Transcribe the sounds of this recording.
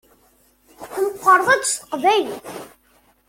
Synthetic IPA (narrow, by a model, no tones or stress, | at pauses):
θmqːəɾˤðˤæd̪sə̥qvæj